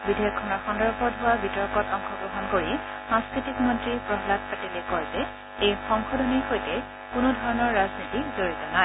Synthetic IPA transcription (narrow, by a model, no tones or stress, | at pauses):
bidʱejɔkʰːɔnɔɹxɔndɔɹbʱɔdʱʊwabitɔɹkɔtɔŋxʰɔbɹɔɦɔnkoɹi | sãskɹitikmɔntɹipɹɔɦlat̚patilekɔjzɛ | ejxɔŋxɔdʱɔnixojtɛ | kʊnʊdʱɔɹɔnɔɹːaznitizoɹizɔnae